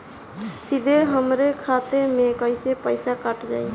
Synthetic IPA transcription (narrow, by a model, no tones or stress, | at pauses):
sid̪ʱeɦəmɾekʰat̪emekəjsepəjsakaʈd͡ʒa̰j